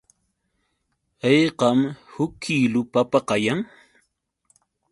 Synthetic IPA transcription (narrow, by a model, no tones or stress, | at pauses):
ɑjqɑmhʊkʰːiːlʊpapaqɑjaŋ